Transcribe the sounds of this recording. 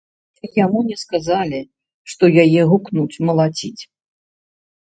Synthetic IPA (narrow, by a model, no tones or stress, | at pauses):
jamunʲɛskazalʲi | ʂt̪ɔjajɛɦuknut͡sʲmɐlˠat͡sʲit͡sʲ